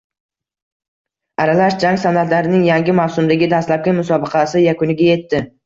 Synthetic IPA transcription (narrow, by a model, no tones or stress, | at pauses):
aɾalaʃd͡ʒaŋsanat̪laɾɪnɪŋjaŋɡʲɪmawsʊmd̪aɡʲɪd̪ast̪lap̚kʲanmʊsɒbɨqʰɑsɪjakʊnɪɡʲaje̞t̪ːɪ